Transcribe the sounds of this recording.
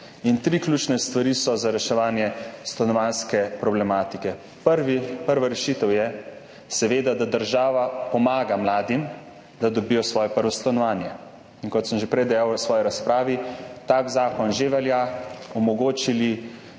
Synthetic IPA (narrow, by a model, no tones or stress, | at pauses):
int̪ɾiklʲuːt͡ʃnɛst̪ʋaɾisɔzaɾɛʃɛʋaːnjɛst̪anɔʋaːnskɛpɾɔblɛmaːt̪ikɛ | pəɾʋipəɾʋaɾɛʃiːt̪əwjɛ | sɛʋeːd̪ad̪ad̪əɾʒaːʋapɔmaːɡamlaːd̪im | d̪ad̪ɔbiːjɔsʋɔːjɛpəɾʋɔst̪anɔʋaːnjɛ | inkɔt̪səmʒepɾɛjd̪ɛjawsʋɔːjiɾaspɾaːʋit̪aɡzaːkɔnʒeʋɛljaɔmɔɡoːt͡ʃili